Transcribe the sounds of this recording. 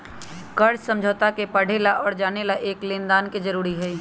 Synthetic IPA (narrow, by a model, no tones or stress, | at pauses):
kɐɾsɐ̃md͡ʒʱoːt̪akepɐɽ̤elaʔɔːɾd͡ʒaːnelaʔeːklẽːnd̪aːnked͡ʒɐɾuːɾiɦɛː